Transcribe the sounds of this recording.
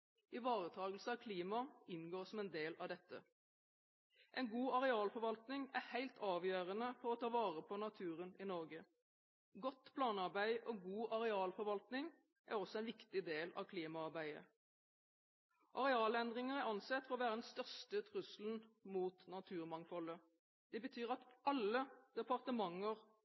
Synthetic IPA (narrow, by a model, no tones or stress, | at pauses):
ʔɪʋɑːʁət̪ʰɑːɡəl̩səɑʋkʰliːmɑɪnɡoːʁsɔmɛnd̪eːlɑ̰ʋd̪ɛt̪ːə̰ | ʔɛnɡuːɑʁɛɑːlfɔʁʋɑlt̪nɪŋæhæɪlt̪ʰɑːʋjøːʁənəfɔɾɔt̪ʰɑːʋɑːʁəpʰɔnɑt̪ʰʉːʁənɪnɔʁɡə | ɡɔt̪ːpʰlɑːnɑʁbæɪʔɔɡuːʔɑʁɛɑːlfɔɾʋɑlt̪nɪŋ | ʔæ̰ʁɔsɔɛnʋɪkt̪ɪd̪eːlɑ̰ʋkʰliːmɑɑʁbæɪə̰ | ʔɑʁɛɑːlɛnd̪ʁɪŋəʁæɑnsɛt̪ːfɔʁɔʋæːʁəd̪nst̪œʁst̪ət̪ʰʁʉsln̩muːt̪nɑt̪ʰʉːʁmɑŋfɔlə | d̪̥ɛbət̪ʰyːʁɑt̪ɑlːəd̪̥ɛpɑʁt̪əmɑŋːəʁ